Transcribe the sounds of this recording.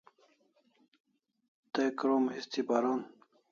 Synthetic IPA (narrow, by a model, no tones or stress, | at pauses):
t̪ekɾoːmhist̪ʰipaɾoːn